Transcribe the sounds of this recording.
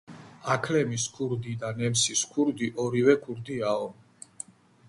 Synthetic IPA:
akʰlɛmiskʰuɾd̪id̪anɛmsiskʰuɾd̪iʔɔɾivɛkʰuɾd̪iaɔm

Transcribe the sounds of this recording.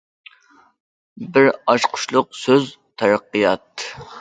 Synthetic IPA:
bɪɾɑʃqʰʊ̥ʃlˠʊq̚søz | t̪ʰæɾɑqːijɑt̪̚

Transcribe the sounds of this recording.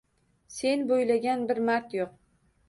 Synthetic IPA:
se̞nbojlaɡʲanbɪɾmaɾt̪joq̚

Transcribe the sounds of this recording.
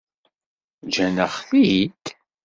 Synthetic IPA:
d͡ʒænəχθit̪

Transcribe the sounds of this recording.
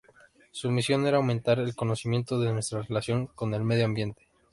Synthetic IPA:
sumisjo̞ne̞ɾaːwmẽnt̪aɾe̞lko̞no̞simje̞nt̪o̞ðenwe̞st̪ɾarelasjo̞ŋko̞ne̞lme̞ðjoambje̞nt̪e̥

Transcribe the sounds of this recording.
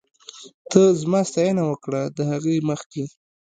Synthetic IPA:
t̪ʰəzmɑst̪ajanawəkɽad̪əhaɣeməxke

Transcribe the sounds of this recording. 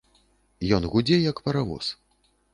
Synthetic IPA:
jɔnɣud͡zʲɛjɐkpɐɾavɔ̰s

